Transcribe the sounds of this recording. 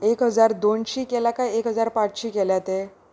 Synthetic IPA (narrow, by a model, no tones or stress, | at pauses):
ekɦəd͡zaɾd̪onɕiːkelakajekɦəd͡zaɾpãt͡sɕiːkeljat̪e